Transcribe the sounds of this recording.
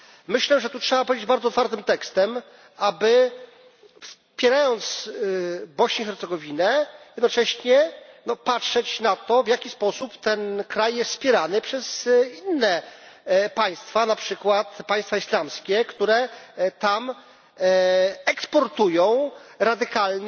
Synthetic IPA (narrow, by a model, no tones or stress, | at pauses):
mɘɕlɛʐɛt̪utʂɛbapɔved͡ʑd͡ʑbaɾd̪ɔt̪faɾt̪ɘmt̪ɛkst̪ɛm | abɘ | fs | pʲjɛɾajɔnt̪s | bɔɕɲixɛɾt̪sɛɡɔvʲinɛjɛd̪nɔt͡ʂɛɕɲɛnɔpatʂɛt͡ɕnat̪ɔvʲjakʲispɔsupt̪ɛnkɾajːɛsfspʲjɛɾanɘpʂɛz̥inːɛ | paj̃st̪fanapʂɘkwat̪paj̃st̪faislamskʲɛkt̪uɾɛt̪am | ɛkspɔɾt̪ujɔ̃w̃ɾad̪ɘkalɲ